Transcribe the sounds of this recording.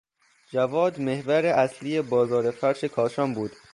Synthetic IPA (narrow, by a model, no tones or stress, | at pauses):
d͡ʒævɒːd̪me̞hvæɾeʔæsliːjebɒːzɒːɾefæɾʃe̞kʰɒːʃɒːmbuːd̪̥